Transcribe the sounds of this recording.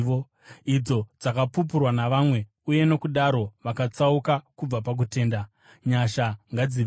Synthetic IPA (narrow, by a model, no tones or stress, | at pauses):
o | id͡zo̞d͡zakapup̬urwanaʋamwe̞ | uje̞no̞kuɗaɾo̞ʋakat͡saukakub͡vapak̬ute̞ːnda | ɲaʃaŋɡad͡ziʋ